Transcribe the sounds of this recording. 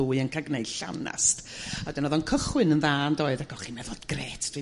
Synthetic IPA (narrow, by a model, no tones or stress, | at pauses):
uːɨənkʰaɡneɨd̥ɬa̰na̰stadɛnɔðɔnkʰəχwɨnənðaːndɔːɨðaɡɔχinɛvɔdɡreːtʰd̥wi